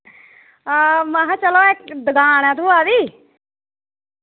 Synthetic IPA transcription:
maɦãt͡ʃəloːɪk̚d̪əɡaːnɛːt̪ʰuːaːdiː

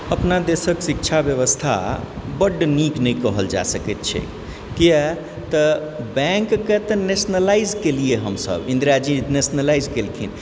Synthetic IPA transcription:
əpnad̪esəksik̚t͡ʃʰabjəʋəst̪ʰa̰bəɖniknəjkəɦəld͡ʒa̰səket̪̚t͡ʃʰɛ̰ | kiɛ | t̪əbɛ̃ŋkːet̪ənesnəlaid͡ʒkelieɦəmsə̰bĩnd̪ɾad͡ʒinesnəlaizkelk̪ʰḭn

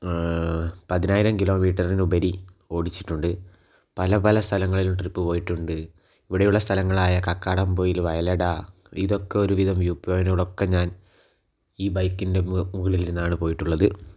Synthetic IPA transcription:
pɐðinaːjiɾɐmkilo̞ːmiːʈːɐrinubɐɾio̞ːɽit͡ɕːi̥ʈːuɳɖɨ | pɐlɐpɐlɐst̪ʰɐlɐŋːɐɭilumʈripːɨpo̞ːjiʈːuɳɖɨ | iʋiɽejuɭːɐst̪ʰɐlɐŋːɐɭaːjɐkɐkːaːɽɐmpo̞ːjilʋɐjɐlɐɽa | iðo̞kːe̞o̞ɾuʋiðɐmʋjuːpːjoːjnɐɣɐɭo̞kːe̞ɲaːn | iːbɐjkːinde̞muɣɐɭiliɾunːaːɳɨpo̞ːjiʈːuɭːɐðɨ

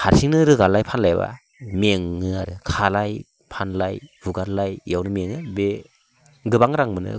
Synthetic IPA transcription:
haɾsiŋnɯɾɯɡallajpʰanlajba̰ | meŋːɯaɾɯkʰalaj | pʰanlajbuɡaɾlajjawnɯmeŋɯbe | ɡɯbaŋɾaŋmɯnɯ̰

